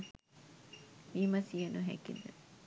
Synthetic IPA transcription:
mimɐsijenuɦæ̰kid̪ə

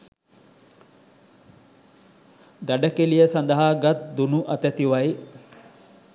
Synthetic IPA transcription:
d̪aɖəkelijəsand̪əɦaɡat̪̚d̪unuʔɐt̪ət̪iʋaj

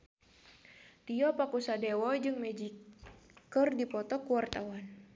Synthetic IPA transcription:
t̪iɔpakusadɛwɔd͡ʒɨŋmɛd͡ʒi | kɨrdipɔt̪ɔkuwart̪awan

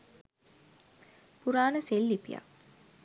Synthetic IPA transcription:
puɾaːnəselːipija̰

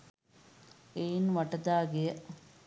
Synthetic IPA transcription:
ejnʋɐʈɐd̪aːɡejɐ

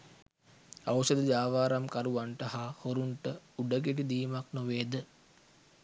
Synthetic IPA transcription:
awsəd̪əd͡ʒaːʋaːɾamkaɾuʋaɳʈəhahoɾuɳʈəuɖəɡeʈ̬id̪iːmaknoʋeːd̪ə

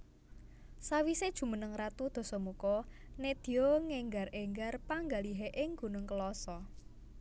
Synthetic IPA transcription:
sawised̥ʒ̥ṳmənəŋrat̪ud̪̥ɔ̤sɔmukɔned̪̥i̤oŋeŋɡareŋɡarpaŋɡaliɦeʔɪŋɡ̥ṳnʊŋkəlɔsɔ

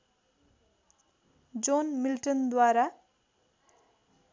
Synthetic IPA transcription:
d͡zonmilʈʌnd̪waɾa

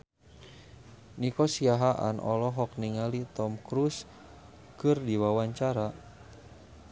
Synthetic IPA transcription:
nikɔsiaɦaʔa̰nʔɔ̰lɔɦɔk̚niŋalit̪ɔmkɾus | kɨrdiwawaɲt͡ʃaɾa

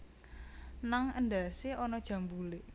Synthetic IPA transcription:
naŋənd̪aseʔɔnɔd̥ʒ̥a̤mbulɪʔ

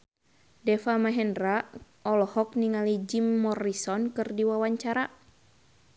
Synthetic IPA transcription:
dɛfamaɦɛndra | ɔlɔhɔk̚niŋalid͡ʒimːɔrisɔnkɨrdiwawaɲt͡ʃaɾa

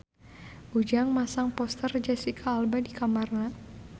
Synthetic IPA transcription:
ʔud͡ʒaŋmasaŋpɔst̪ərd͡ʒɛsikʰaːlbadikamarna

